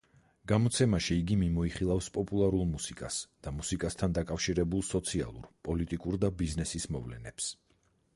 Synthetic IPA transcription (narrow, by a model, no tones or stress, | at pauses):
ɡ̥amɔt̪sʰɛmaʃiːɡimimɔiχilˠafspʼɔpʼulˠaɾulˠmusikʼasd̪̥amusikʼast̪ʰand̪akʼafʃiɾɛbulˠsɔt̪sʰia̰lˠṵɾpʼɔlit̪ʼikʼuɾd̪abiznɛsismɔvlɛ̰nɛps